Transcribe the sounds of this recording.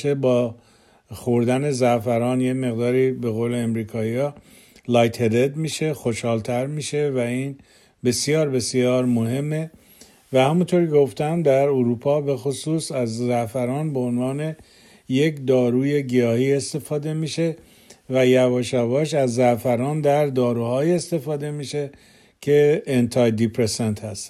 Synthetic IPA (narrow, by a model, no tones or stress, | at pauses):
ʃebɒː | xoɾd̪æne̞zæʔfæɾɒːnjeme̞ɣd̪ɒːɾiːbe̞ɣoːle̞ːmɾiːkʰɒːiɒ | lɒjt̪ʰeɾe̞d̪miːʃe̞xo̞ʃhɒːlt̪ʰæɾmiːʃe̞væiːn | be̞sjɒːɾbe̞sjɒːɾmoɦe̞mːe̞ | væhæmunt̪ʰoɾkʲʰeɡo̞ft̪æmd̪æɾuɾuːpʰɒːbe̞xosuːsæzzæfæɾɒːnbeonvɒːne̞ | jekd̪ɒːɾuːje̞ɡijɒːhiːe̞st̪e̞fɒːd̪e̞miːʃe̞ | væjævɒːʃævɒːʃ̬æzːæfæɾɒːnd̪æɾd̪ɒːɾuːhɒːjiest̪e̞fɒːd̪e̞miːʃe | cʰeːnt̪ʰɑjd̪ipʰɾesent̪hæst̪